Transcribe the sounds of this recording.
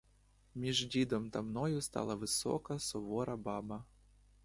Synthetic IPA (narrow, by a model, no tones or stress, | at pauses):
mʲiʒdʲid̪ɔmt̪ɐmnɔjʊst̪ɑ̰lˠɐʋɪsɔ̰kɐsɔʋɔɾɐbɑbɐ